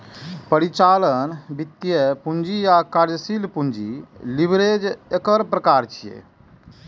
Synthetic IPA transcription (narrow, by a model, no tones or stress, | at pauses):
pəɾit͡ʃalənbit̪ːjəpund͡ʒijakaɾd͡ʒsilpund͡ʒḭlibɾed͡ʒekəɾpɾəkaːɾt͡ʃʰijḛ